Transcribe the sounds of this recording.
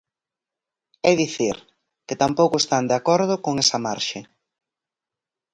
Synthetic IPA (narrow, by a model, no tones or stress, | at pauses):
ɛðiθiɾ | kɪt̪ampowkʊest̪and̪eakɔɾð̞ʊkoŋɛsɐmaɾʃe